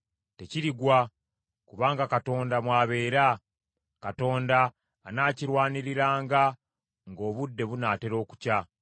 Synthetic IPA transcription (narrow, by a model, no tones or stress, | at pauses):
te̞ciɾiɡwa | kuβaːŋɡakato̞ːndamwaːβe̞ːɾa | kato̞ːndaː | naːciɾwaːniɾiɾaːŋɡa | ŋɡo̞ːβudːe̞βunaːte̞ɾo̞ːku̥ca